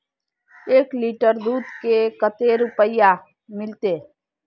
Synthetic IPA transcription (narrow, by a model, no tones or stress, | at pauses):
eːkliːʈəɾd̪uːd̪kekət̪eɾʊpəɪja | mɪlt̪eː